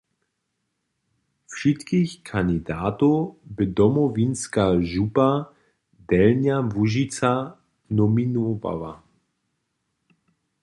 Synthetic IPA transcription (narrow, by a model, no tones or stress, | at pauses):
fʃit̪kixkʰand̪id̪aːt̪obɪd̪ɔmɔvinskaʒupa | d̪̥ɛlnjavuʒit͡sa | nɔminɔva̰la̰